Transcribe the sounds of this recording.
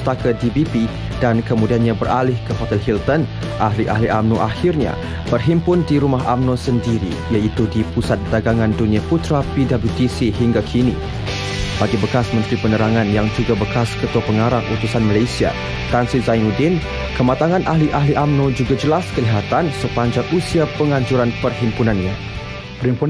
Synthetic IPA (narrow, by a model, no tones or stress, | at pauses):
t̪akədibipi | dankəmudianɲãbəralɪhkəɦot̪ɛlɦilt̪ən | ʔaɦliʔa̰ɦliʔamnuʔahirɲa̰ | b̥ərɦimpʊndiɾumaɦamnɔsəndiɾḭ | jait̪udipusat̪̚daɡaŋandunĩaput̪ɾapidabut̪isiɦiŋɡakʰini | b̥aɡibəkasmə̃nt̪ɾipənəɾaŋanjaŋd͡ʒuɡabəkaskət̪uapəŋaɾaŋut̪usanməlasia̰ | t̪ansizajŋudin | kəmat̪aŋãnʔaɦliʔaɦliʔamnud͡ʒuɡad͡ʒəlaskəliɦat̪ansəpaɲd͡ʒaŋusiapəŋaɲd͡ʒuɾanpərɦimpunanɲa | pəimpu